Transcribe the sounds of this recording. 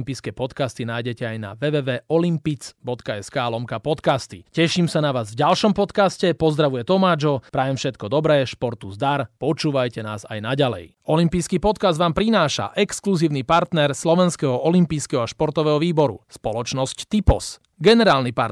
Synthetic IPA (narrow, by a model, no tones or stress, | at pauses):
mpiːskɛːpɔt̪kast̪inaːjɟɛcɛajna̰ʋɛʋɛːʋɛːɔlimpit͡sbɔt̪kaɛskaːlɔmkapɔt̪kast̪ḭcɛʃimsanaʋaːzvɟalʃɔmpɔt̪kascɛpɔzd̪ɾaʋujɛt̪ɔmaːd͡ʒɔpɾaːjɛmfʃɛt̪kɔd̪ɔbɾɛːʃpɔɾt̪uzd̪aɾpɔt͡ʃuːʋajcɛna̰ːza̰jnaɟalɛ̰j | ɔlimpijskiːpɔt̪kazd̪ʋaːmpɾinaːʃa̰ʔɛkskluziːʊnipaɾt̪nɛɾslɔʋɛnskɛɦɔʔɔlimpiːskɛɦɔaʃpɔɾt̪ɔʋɛːɦɔʋiːbɔɾṵspɔlɔt͡ʃnɔsct̪ipɔs | ɡɛnɛɾaːlnipa̰